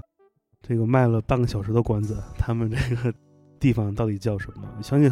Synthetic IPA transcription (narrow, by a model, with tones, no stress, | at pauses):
ʈ͡ʂɤ˥˩ɡə˩ma˥˩ɪlə˩pa˥˩ŋɡə˩ɕjɑ˨˩ʊʂɻ̩˧˥t̪o˥˧kwa˧˥nd͡zə˨˩t̪ʰa˥mə˨nʈ͡ʂɤ˥˩ɡə˩ | t̪i˥˩fɑ˨˩ŋt̪ɑ˥˩ʊt̪i˨˩t͡ɕjɑ˥˩ʊʂə˧˥nmə̰˧˨˩ɕjɑ˥ŋɕi˥˩